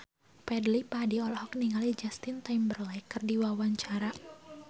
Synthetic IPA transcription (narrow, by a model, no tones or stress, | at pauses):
pɛdlipadiɔlɔhɔkniŋalid͡ʒast̪int̪ambərlakərdiwawaɲt͡ʃaɾa